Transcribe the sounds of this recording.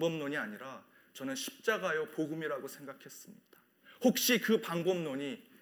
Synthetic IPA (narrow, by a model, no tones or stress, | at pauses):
bʌmnoɲiaɲiɾa | t͡ɕʌnɯnɕʰi̥p̚t͡ɕ͈aɡajʌpoɡɯmiɾaɡosʰe̞ŋɡakʰe̞s͈ɯmɲid̥a | hok̚ɕ͈ikɯpaŋbʌmnoɲi